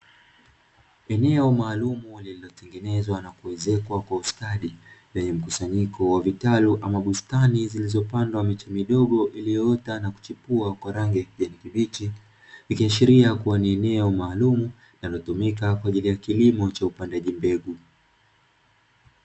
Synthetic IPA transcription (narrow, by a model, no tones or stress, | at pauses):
ɛnɛɔmaːlumulililɔtɛŋɡɛnɛzwanakuwɛzɛkwakwauskaɗiɗɛɲɛm̩kusaɲikɔwavitaluʔamaɓustanizilizɔpandwamit͡ʃɛmiɗɔɠɔʔilijɔtanaku̥t͡ʃipuakwaɾaŋɡɛʄɛnikiɓit͡ʃi | ikiaʃiɾiakuwaniɛnɛɔmaːlumu | nalɔtumikakwaʄilijakilimɔt͡ʃaupandaʄimbɛɠu